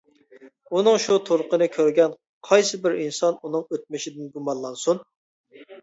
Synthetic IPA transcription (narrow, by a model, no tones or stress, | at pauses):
unɨŋʃut̪ʰoɾʊqənɨkʲʰøɾɡʲɛn | qʰɑjsɨbɪɾinsɑnunɨŋøt̪̚mɪʃid̪ɪnɡumɑnlˠɑnsun